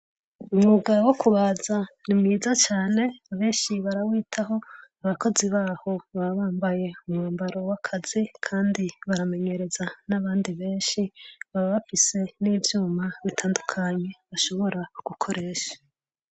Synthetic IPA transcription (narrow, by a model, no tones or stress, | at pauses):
umŋuɡawo̞kuβazanimŋiːzat͡ʃaːne̞βe̞ːnʃiβaɾawiːtʰaɦo̞aβako̞ziβaːho̞βaβaːmbaje̞umŋuːmbaɾo̞wakʰaz̥ikʰaːndiβaɾame̞ɲe̞ɾe̞zanaβaːndiβe̞ːnʃiβaβaβafise̞niːvjuːmaβitʰaːndukʰaɲe̞βaʃo̞βo̞ɾaɡ̥ukʰo̞ɾe̞ːʃḁ